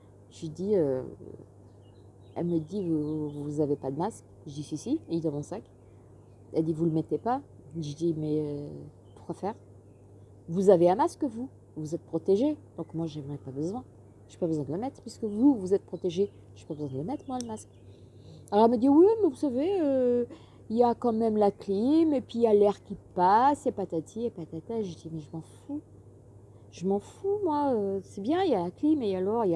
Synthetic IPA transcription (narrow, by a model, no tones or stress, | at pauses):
ʒid̪iø | ɛ̰lməd̪ivuzavepad̪əmask | ʒəd̪isəsiild̪ɔ̃mɔ̃sak | ɛld̪ivuləmet̪epa | ʒed̪imɛ | pu̥ʁkwafɛːʁ | vuzaveɛ̃maskvu | vuzɛt̪̚pχɔt̪eʒed̪̥ɔ̃kmwaʒemʁɛpabəzwɛ̃ | ʒepabəzwɛ̃d̪ələmɛt̪χpiskəvuvuzɛt̪̚pχɔt̪eʒe | ʒ̥epabəzwɛ̃d̪ələmɛt̪χmwaləmask | alɔʁɛməd̪iwimɛvusaveø | iljakɑ̃mɛmlaklimepɥijalɛʁkʲipasjapat̪at̪ʰiepat̪at̪ɛʒed̪imɛʒəmɑ̃fu | ʒ̥əmɑ̃fumwaøsɛbjɛ̃ijalaklimealɔʁia